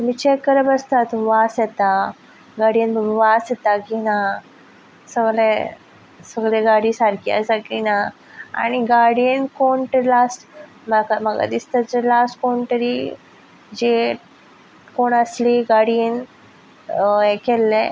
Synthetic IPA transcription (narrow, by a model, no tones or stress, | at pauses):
t̪miːt͡ɕekəɾəbəst̪at̪ʋasjɛt̪a | ɡaɽijənbəʋasjɛt̪akina | səɡle | səɡleɡaɽiːsaɾkia̰sakina | a̰ɽ̃iɡaɽiənkoɳʈ̪əɾilasʈ | məkaməɡa̰d̪ist̪əd͡zəlasʈkoɳʈ̪əɾi | d͡ʑe | koɳəsliɡaɽiən | ekelːe